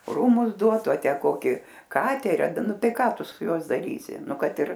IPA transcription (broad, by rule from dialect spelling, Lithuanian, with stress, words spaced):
ˈruːmʊs ˈduɔtʊ ɐ ˈtʲæː ˈkoːkʲɪ ˈkɑːtʲɛrʲiː ˈnʊ ˈtɐɪ ˈkɑː ˈtʊ ˈsʊ ˈjuɔs dɐˈrʲiːsʲɪ ˈnʊ ˈkɐt ɪr